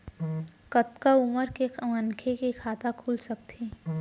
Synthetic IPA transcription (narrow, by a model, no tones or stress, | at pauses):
kət̪kaʊməɾkeʋənkʰekekʰaːt̪akʰuːlsɐk̚t̪ʰiː